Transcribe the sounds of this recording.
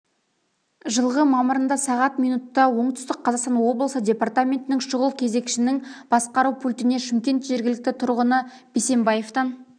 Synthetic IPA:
ʒəlˠʁəmɑməɾənd̪ɑsɑʁɑt̪mijnut̪ːɑwo̞ɴt̪ʏst̪ɪkqʰːɑzɑqst̪ɑnwo̞blˠəsədʲe̞pɑrt̪amʲe̞nt̪ɪnɪŋʃʊʁəlˠkʲʰe̞ze̞kʲʃɪnɪŋb̥ɑsqɑɾuwpʰulʲt̪ɪne̞ʃɪmkʲe̞nt̪ʒe̞ɾɡʲɪlɪk̚t̪ɪt̪ʰʊɾʁənə | b̥ese̞mbaje̞ft̪ɑn

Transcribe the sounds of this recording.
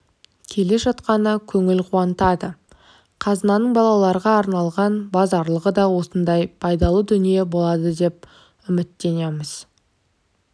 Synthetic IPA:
kʲʰe̞le̞ʒɑt̪qɑnəkʲʰɵŋɪlqʰuɑnt̪ɑd̪ə | qʰɑzənɑnəɴbɑlˠɑlˠɑɾʁɑːɾnɑlˠʁɑnbɑzɑɾlˠəʁəd̪ɑwo̞sənd̪ɑjpʰɑjd̪ɑlˠəd̪ʏnije̞bo̞lˠɑd̪əd̪e̞p̚ | ʏmɪt̪ːe̞neməz̥

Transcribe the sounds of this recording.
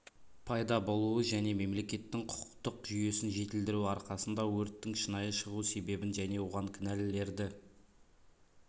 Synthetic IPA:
pʰɑjd̪ɑbo̞lˠuəʒæne̞me̞mle̞kʲe̞t̪ːɪŋqʰʊ̥qʊqt̪əqʒʏje̞sɪnʒe̞t̪ɪld̪ɪɾuɑɾqɑsənd̪ɑwɵɾt̪ːɪŋʃənɑjəʃəʁuse̞be̞bɪnʒæne̞wo̞ʁɑŋkʲʰɪnælɪle̞ɾd̪ɪ

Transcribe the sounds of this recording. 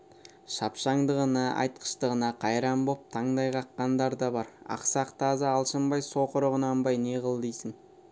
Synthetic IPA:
ʃɑpʃɑɴd̪əʁənɑʔɑ̰jt̪̚qə̥ʃt̪əʁənɑqʰɑjɾɑmbop̚t̪ʰɑɴd̪ɑjʁɑqːɑnd̪ɑɾd̪ɑbɑɾɑ̰qsɑqt̪ʰɑzəːlˠʃəmbɑjso̞qəɾəʁənɑmbɑjneʁəlˠd̪ejsɪŋ

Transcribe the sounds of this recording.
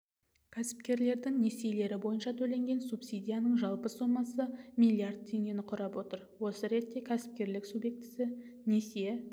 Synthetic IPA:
kʲʰæsɪ̥p̚kʲe̞ɾle̞ɾd̪ɪŋne̞siele̞ɾɪbo̞jənʃɑt̪ʰɵle̞ŋɡʲe̞nsupsid̪ʲijanəɴʒɑlˠpəsomːɑsəmilʲˠiard̪̚t̪ʰːeŋɡʲe̞nɪqʰʊɾɑpwo̞t̪əɾwo̞səɾe̞t̪ːe̞kʲʰæsɪ̥p̚kʲe̞ɾlɪksubje̞k̚t̪ɪ̥sɪne̞sije

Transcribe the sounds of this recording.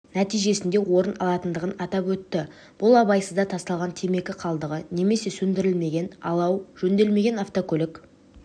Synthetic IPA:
næt̪ijʒe̞sɪnd̪e̞wo̞ɾənɑlˠɑt̪ənd̪əʁənɑt̪ɑpwɵt̪ːɪ | b̥ʊlˠɑbɑjsəzd̪ɑt̪ʰɑst̪ɑlˠʁɑnt̪ʰeme̞kʲɪqʰɑlˠd̪əʁəne̞me̞se̞sɵnd̪ɪɾɪlme̞ɡʲe̞nɑ̰lˠɑwʒ̥ɵnd̪e̞lme̞ɡʲe̞nɑft̪okʲʰɵlɪk

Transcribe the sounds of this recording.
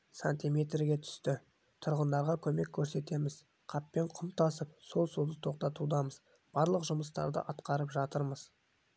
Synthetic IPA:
sanʲt̪ʲime̞t̪rɡʲe̞t̪ʰʏ̥st̪ɪ | t̪ʰʊɾʁənd̪ɑɾʁɑkʲʰɵme̞kʲʰːɵɾse̞t̪e̞mɪz̥ | qʰɑpːe̞ɴqʰʊmt̪ʰɑsəp̚so̞lˠsud̪ət̪ʰo̞q̚t̪ɑt̪ud̪ɑməz | b̥ɑɾlˠəqʒʊməst̪ɑ̰ɾd̪ə̰ʔɑt̪qɑɾəpʒɑt̪əɾməz̥

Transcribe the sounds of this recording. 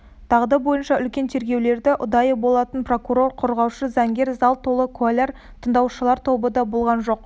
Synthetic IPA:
t̪ʰɑʁd̪əbo̞jənʃɑʔʏlkʲe̞nt̪ʰe̞ɾɡʲe̞wle̞ɾd̪ɪʔʊd̪ɑjəbo̞lˠɑt̪ənpro̞kuɾo̞ɾqʰʊɾʁɑwʃəzɑŋɡʲe̞ɾzɑlˠt̪ʰːo̞lˠəkʰualʲeɾ | t̪ʰənd̪ɑwʃəlˠɑɾt̪ʰo̞bəd̪ɑbolˠʁɑnʒo̞q

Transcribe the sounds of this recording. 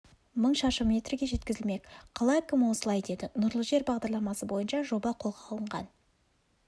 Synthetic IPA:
məɴʃɑʃəmʲe̞t̪rɪɡʲe̞ʒe̞t̪kʲɪzɪlme̞kʲqʰɑlˠɑjkʰʲʏmɪwosəlˠɑjd̪e̞d̪ɪnʊɾlˠəʒe̞ɾbɑʁd̪ɑɾlˠɑmɑsəbo̞jənʃɑʒo̞bɑqʰo̞lˠʁɑːlˠəɴʁɑ̰n

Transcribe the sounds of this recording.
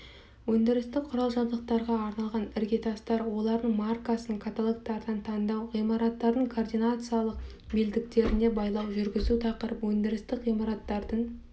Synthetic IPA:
wɵnd̪ɪɾɪst̪ɪk̚qʰːʊɾɑlˠʒɑnd̪əq̚t̪ɑɾʁɑːɾnɑlˠʁɑnɪɾɡʲe̞t̪ʰɑst̪ɑɾwo̞lˠɑɾd̪əɴmarkasəŋkʰat̪olˠokt̪ɑɾd̪ɑnt̪ʰɑnd̪ɑwʁijmɑɾɑt̪ːɑɾd̪əɴkʰord̪ijnat̪sɨjalˠəq̚ | beld̪ɪk̚t̪e̞ɾɪne̞bɑjlˠɑwʒʏɾɡʲɪzut̪ʰɑqəɾəpwɵnd̪ɪɾɪst̪ɪkʁijmaɾat̪ːɑɾd̪əɴ

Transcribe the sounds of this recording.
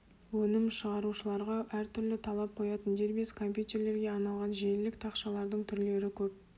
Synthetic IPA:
wɵnɪmʃəʁɑɾuʃəlˠɑɾʁɑʔæɾt̪ʰʏɾlɪt̪ʰɑlˠɑp̚qʰo̞jɑt̪ənd̪e̞ɾbeskʰo̞mpjut̪ʲe̞ɾle̞ɾɡʲe̞ɑnɑlˠʁɑnʒiejlɪk̚t̪ʰɑqʃɑlˠɑɾd̪əɴt̪ʰʏɾle̞ɾɪkʲʰɵp̚

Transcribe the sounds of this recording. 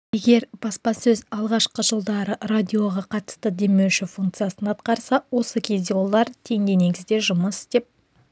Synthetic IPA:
je̞ɡʲe̞ɾb̥ɑspɑsɵzɑlˠʁɑʃqəʒəlˠd̪ɑɾəɾad̪ʲio̞ʁɑqʰɑt̪ə̥st̪əd̪e̞me̞wʃɪfuŋk̚t̪sɨjasənɑt̪qɑɾsɑwo̞səkʲʰe̞zd̪ewo̞lˠɑɾt̪ʰe̞ŋd̪ene̞ɡʲɪzd̪e̞ʒʊməsd̪e̞p̚

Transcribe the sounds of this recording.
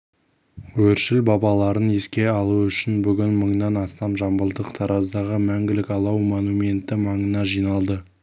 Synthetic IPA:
wɵɾʃɪlbɑbɑlˠɑɾəne̞skʲe̞ɑlˠuʏʃɪnbʏɡʲɪnməɴnɑnɑst̪ɑmʒɑmbəlˠd̪əqt̪ʰɑɾɑzd̪ɑʁəmæŋɡʲɪlɪkɑlˠɑwmonumʲe̞nt̪ɪmɑɴənɑʒijnɑlˠd̪ə

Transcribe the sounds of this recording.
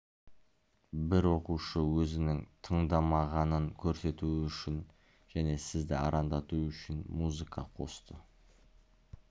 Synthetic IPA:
bɪɾwo̞quʃəwɵzɪnɪŋt̪ʰəɴd̪ɑmɑʁɑnəŋkʲʰɵɾse̞t̪uʏʃɪn | ʒ̥æne̞sɪzd̪ɪɑ̰ɾɑnd̪ɑt̪uʏʃɪnmuzɨkɑ̰qʰo̞̰st̪ə

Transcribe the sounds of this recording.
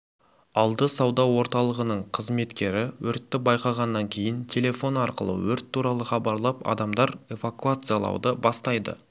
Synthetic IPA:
ɑlˠd̪əsɑwd̪ɑwo̞ɾt̪ɑlˠəʁənəɴqʰəzme̞t̪kʲe̞ɾɪwɵɾt̪ːɪbɑjqɑʁɑnːɑŋkʲʰe̞jɪnt̪ʲʰe̞lʲe̞fo̞nɑɾqə̰lˠə̰wɵɾt̪ʰːuɾɑlˠəχɑbɑɾlˠɑpɑ̰d̪ɑmd̪ɑɾe̞vakuat̪sɨjalˠɑ̰wd̪əbɑst̪ɑjd̪ə̰

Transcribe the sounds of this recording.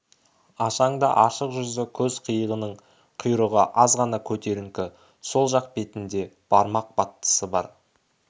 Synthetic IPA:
ɑʃɑɴd̪ɑ̰ʔɑʃəqʒʏzɪkʲʰɵzqʰəjəʁənəɴ | qʰʊjɾəʁəʔɑzʁɑnɑkʲʰɵt̪e̞ɾɪŋkʲɪ | so̞lˠʒɑq̚be̞t̪ɪnd̪e̞ | b̥ɑɾmɑq̚b̥ɑt̪ːə̥səbɑ̰ɾ

